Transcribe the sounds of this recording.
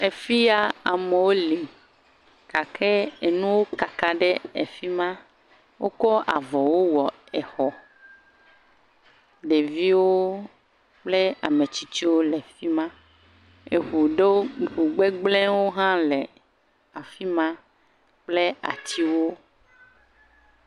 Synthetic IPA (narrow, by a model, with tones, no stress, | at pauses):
e˨fi˦ja˦a˨me˨wo˦li˨ | ka˨kʰɛ˦e˨nũ˦wo˦ka˨ka˨ɖe˦e˨fi˦mã˦ | wʔo˦kɔ˦a̰˨vɔ˨wo˦wɔ˨ | ɛ˨xɔ˨ | ɖe˨vi˦wo˦ | k͡ple˦a˨me˨t͡ɕi˦t͡ɕi˦wo˦le˨fi˦mã˦ | e˨ɦu˨ɖe˦ɦu˨ɡ͡be˦ɡ͡blɛ̃˦wo˦ɦã˦lɛ˨ | a˨fi˦mã˦ | k͡ple˦a̰˨t̪ʰi˦wo˦